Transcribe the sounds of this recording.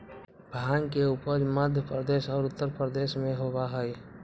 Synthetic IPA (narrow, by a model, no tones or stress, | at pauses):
bʱaːnkeuːpəɾməd̪ʱjəpɾəd̪eːʃɔːɾʊt̪ːəɾpɾəd̪eːʃmẽɦobaɦɛj